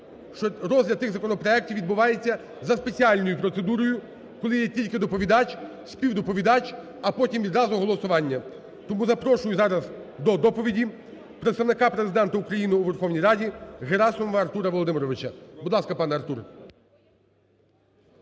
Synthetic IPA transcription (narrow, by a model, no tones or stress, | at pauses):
ʃt͡ʃɔɾɔzʲlʲɐt̪ɪɣzɐkɔnɔpɾɔɛk̚tʲiwʋʲid̪̚bʊʋɑjet͡sʲːɐ | zɐspet͡sʲiɑlʲnɔjʊpɾɔt̪se̞d̪uɾɔjʊ | kɔlˠɪjɛtʲilʲkɪd̪ɔpɔʋʲid̪ɑt͡ʃ | sʲpʲiwd̪ɔpɔʋʲid̪ɑt͡ʃʲ | ɐpɔtʲimʋʲid̪ɾɑzʊɦɔlˠɔsʊʋɑnʲːɐ | t̪ɔmuzɐpɾɔʃʊjʊzɑɾɐzd̪ɔd̪ɔpɔʋʲidʲi | pɾet̪st̪ɐʋnɪkɑpɾezɪd̪ɛnt̪ɐukɾɐjinɪːʋerxɔwnʲijɾɑdʲiɦeɾɑsɔmɔʋɐɐrt̪uɾɐʋɔlˠɔd̪ɪmɪɾɔʋɪt͡ʃɐbʊd̪lˠɑskɐpɑnɛɐrt̪uɾ